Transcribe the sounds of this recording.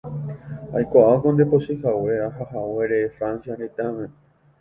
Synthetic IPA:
ajkʷaʔakõnd̪eposihawe̞ahahawe̞ɾefɾansjanet̪amẽ

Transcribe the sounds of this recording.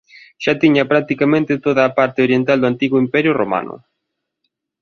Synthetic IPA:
ʃat̪iɲapɾak̚t̪ikamẽnt̪ɪt̪oðaːpaɾt̪eoɾjent̪ald̪oant̪iɣʊimpɛɾjʊroma̰nʊ̰

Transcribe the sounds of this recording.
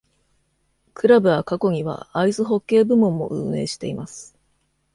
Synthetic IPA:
kɯ̟ɾabɯ̟akako̞ɲ̟iβa̰aizɨɦo̞kːe̞ːbɯ̟mõ̞mːo̞̰ʔɯ̟̰̃ːe̞ːɕi̥t̪e̞imasɨ̥

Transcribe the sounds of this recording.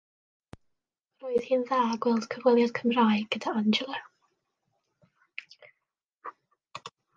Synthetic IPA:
roːɨð̥hiːnðaːɡwɛlˠd̥kʰəvɛlˠjad̥kʰəmraːjɡ̥ədaand͡ʒəlˠə

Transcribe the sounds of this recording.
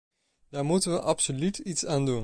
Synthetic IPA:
d̥aːɹmutənʋəʔɑpsolytitsaːndun

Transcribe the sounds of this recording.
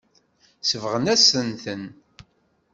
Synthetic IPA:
səvʁənæsənθən

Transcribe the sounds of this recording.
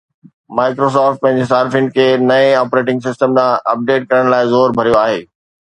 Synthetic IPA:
maːɪkɾos̬ɔːfʈ̚pɐ̃ɦɪ̃ɲd͡ʑesaːɾfɪ̃ŋɖkʰeːnɐẽɔːpɾeːʈɪ̃ŋɡsɪsʈəmd̪ãʔɐp̚ɖeːʈ̚kɐɾəɽ̃laːɪzoːɾbʱɐɾijoaːɦeː

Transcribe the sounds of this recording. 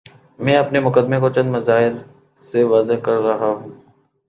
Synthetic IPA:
mɛ̃ːɐpnemʊkəd̪mẽkot͡ʃɐ̃nd̪mɐzaːɪl | seʋaːzɪɦkɐɾːɐɦaɦũː

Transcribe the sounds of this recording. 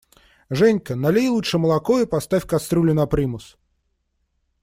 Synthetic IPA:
ʐɛnʲkənɐlʲejlˠuʂɨməlˠɐkoɪpɐst̪afʲkɐst̪ɾulʲɪnɐpɾʲimʊs

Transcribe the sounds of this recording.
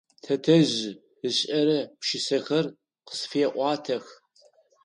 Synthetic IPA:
tʰɐtʰɐʑ | ɨɕʼɐɾɐpʃɪsɐxɐr | qə̥sfieɛʔʷɑːtʰɐx

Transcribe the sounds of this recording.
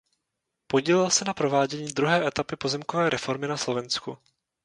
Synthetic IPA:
po̞ɟiːlɪlsɛnapɾo̞vaːɟɛɲiːd̪ɾuɦɛːʔɛt̪apɪpo̞zɛmkovɛːɾɛfo̞ɾmɪnaslo̞vɛnsku

